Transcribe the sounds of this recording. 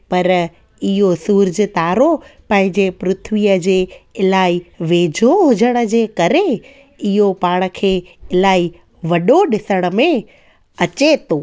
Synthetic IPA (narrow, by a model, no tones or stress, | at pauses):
pɐɾ | ɪɦosuːɾd͡ʑə̆t̪aːɾopɐ̃ɦɪ̃ɲd͡ʑepɾʊt̪ʰʋiəd͡ʑeːɪlaːiʋeːd͡ʑʱoɦʊd͡ʑəɽ̃ə̆d͡ʑeːkɐɾe | ɪɦopaːɽ̃ə̆kʰeːɪlaːi | ʋɐɗoɗɪsəɽ̃ə̆mẽ | ɐt͡ɕet̪ʰoː